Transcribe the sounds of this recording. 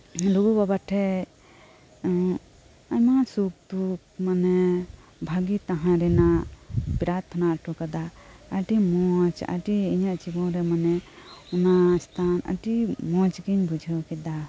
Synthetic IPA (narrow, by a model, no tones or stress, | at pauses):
luɡubabaʈʰɛ | ajmasuk̚d̪uk̚manɛ | bʱaɡit̪ãɦãɾɛnapɾat̪ʰnaʈukad̪aaʈimɔt͡ʃa̰ʈiːɲaʔt͡ʃibɔɾɛmanɛunast̪ʰana̰ʈimɔ̃t͡ʃɡiɲbud͡ʒʱəkɛd̪a